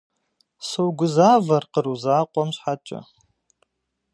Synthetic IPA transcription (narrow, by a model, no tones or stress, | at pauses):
sowɡʷʊzaːvarqəruzaːqʷʼɔmɕʷħat͡ʃʷʼa̰